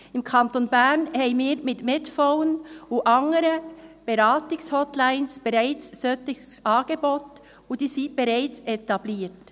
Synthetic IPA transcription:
ɪmkʰɑntonbæɾnhɛɪmiːɾmɪtmɪtfoʊənʊʔɑŋəɾəb̥eɾɑːtɪkshɔtlaɪnsb̥ɛɾaɪt͡sːœtɪɡsɑːɡ̥ebot | ʊd̥iːsib̥eɾaɪt͡sɛtɑbliːt

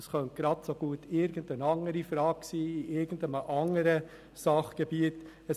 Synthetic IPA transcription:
sχœnt̚ɡ̥ɾɑtsoɡ̥uətʰɪɾɡəndənɑŋəɾifɾɑːksiːiʔɪɾɡən̩dəməʔɑŋəɾə | sɑχɡ̥ebiət | ə

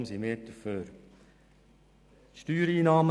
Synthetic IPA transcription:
msimeːt̪uføːɾ | ʃtyːɾiːnɑːmə

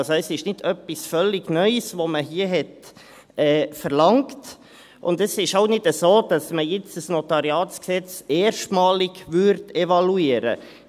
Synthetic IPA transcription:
sɛsɪʃnɪdœpisfœlːɪɡ̥nœʏsʋoməɦiːəɦɛt | ɛːfəɾlɑŋkt | ʔʊndɛsɪʃaʊnɪdəsoːd̥ɑsməjɪt͡səsnotɑɾiɑːsksɛt͡seːɾʃtmɑːlɪɡ̥ʋʏɾtɛvɑluiːəɾə̰

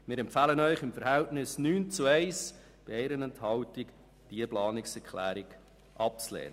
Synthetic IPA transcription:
mɪːɾɛmpfɑːlənœʏχɪmfəɾhɛltnɪsnyːnt͡suɛɪs | b̥ɪɛɾənɛnthɑltɪk | d̥iəplɑːnɪksɛɾkʰlæːɾɪɡ | ʔɑp̚t͡slɛ̰ːnə

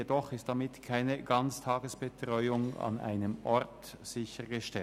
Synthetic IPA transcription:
edɔχɪst̚d̥amɪtkʰaɪnəɡɑnt͡stʰɑːɡəsb̥ətʁ̥ɔʏʊŋa̰na̰ɪnəmʔɔʁt | z̥ɪçəʁɡəʃtɛ

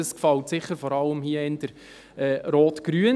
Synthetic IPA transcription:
əskfɑltsɪχːəɾfɔɾɑləmhiəɪnd̥əɾ | ɛːɾɔːtɡ̥ɾyə

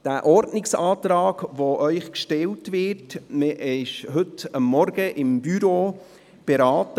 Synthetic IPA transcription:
d̥æːʔɔɾdnɪksɑːt̪ɾɑːɡʋoʔœʏχkʃtɛltvɪtməʔɪʃɦɵtɑmːɔɾɡəʔɪmbyɾoː | b̥ɛɾɑːt

